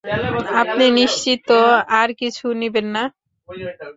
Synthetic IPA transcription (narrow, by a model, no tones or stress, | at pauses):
apniniʃt͡ɕit̪ːoaɾkit͡ɕʰunibenːa